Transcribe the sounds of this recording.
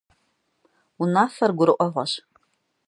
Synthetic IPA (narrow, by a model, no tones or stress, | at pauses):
unafɐrɡʷʊɾɨʔʷʼaʁʷaʃ